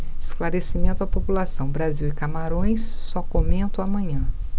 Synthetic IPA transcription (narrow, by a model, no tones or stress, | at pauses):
ɪsklaɾesimẽnt̪ʊapopulasɐ̃w̃bɾaziwɪkamaɾõj̃sːɔkomẽnt̪ʊamɐ̃ɲɐ̃